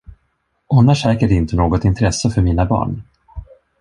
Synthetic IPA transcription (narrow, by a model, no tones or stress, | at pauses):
ʔɔnːaʂɛːkəɖɪnt̪ənoːɡɔt̪ɪnt̪ʰɾɛsːəfœɾmiːnabɑ̰ːɳ